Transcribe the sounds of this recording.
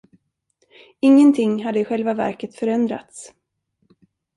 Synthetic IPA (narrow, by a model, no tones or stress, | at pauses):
ɪŋːənt̪ʰɪŋːɦad̪ːəɪɧɛlvavæ̰ɾkət̪fœɾɛnd̪ɾa̰t̪s